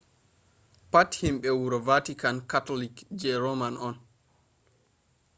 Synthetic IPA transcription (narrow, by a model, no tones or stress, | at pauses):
pathimɓɛwuɾɔvatikankatolikd͡ʒɛɾomanɔn